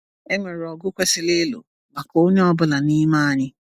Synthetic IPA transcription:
e˦ŋʷe˨ɾɔ˨ɡʊ˦kʷe˦sɪ˦le˦lo̰˨ | ma˨ko˨˦o˦ɲe˦ɔ˦bʊ˦la˨ni˦ma˦a˨ɲɪ˦

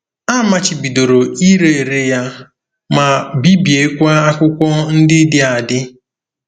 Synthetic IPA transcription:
a˦ma˨t͡ʃɪ˨bi˨do˨ɾo˨i˦ɾe˦e˨ɾe˦ja˦ | ma˨bi˦bje˦kʷa˦a˦kʷʊ˦kʷɔ˦n̩˦dɪ˦dɪ˦a˨dɪ˦

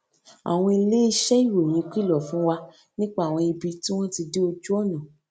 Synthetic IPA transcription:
a̰˨w̃ɔ̃˧i˧le˦i˦˧˦ʃɛ˦i˦˨wo˨j̃ĩ˨˦˧k͡pi˦˨lɔ˦˨fũ˨˦wa˧ | nĩ˦k͡pa˦˨w̃ɔ̃˧i˧bi˧ti˦w̃ɔ̃˦ti˧de˦o˧d͡ʒu˦ɔ˦˨nã˨

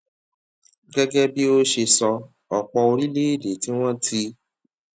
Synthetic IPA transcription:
ɡɛ˦ɡɛ˦bi˦o˦ʃe˧sɔ˧ | ɔ˨k͡pɔ˧o˧ɾi˦le˦i˦˨de˨˦ti˦w̃ɔ̃˦tʰi˧

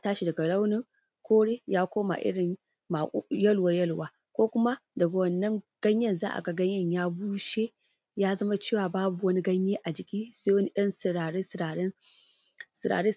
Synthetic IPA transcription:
a˨˦taː˦ʃi˨dɐ˨ɡa˨la˦wnɪ˦ŋ | kʷoː˦ɽe˦jaː˦kʷoː˦ma̰˨ʔɪ̰˦ɽɪ˨ɲ | ma˨˦jɐ˦lwa˨jɐ˦lwaː˦ | kʷoː˦kʷʊ˦ma˦dɐ˨ɡa˨wɐ˨nːɐ˦ŋɡ̥ɐ˦ɲjɐ˦˨nzaː˦ʔa̰˨ɡa˦ɡɐ˦ɲjɐ˦˨ɲjaː˦buː˦ʃe˦ | jaː˦zɐ˦ma˦t͡ʃeː˦˨waː˨baː˦bu˨wɐ˦ni˦ɡɐ˦ɲjeː˦ʔa˨d͡ʒɪ˨kʲiː˦se˦wɐ˦ni˦ɗɐ˦nsɪ˨ɾaː˨ɽeː˦sɾaː˨ɾɛ˦ŋ | sɪ˨ɾa̰ː˨ɽeː˦

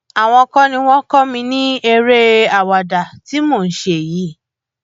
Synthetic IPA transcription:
a˨w̃ɔ̃˧kɔ̃˦nĩ˧w̃ɔ̃˦kɔ˦mĩ˧nĩ˦e˧ɾe˦a˦˨wa˨da˨ti˦mo˦˨n̩˦ʃe˧e˨ji˨˦

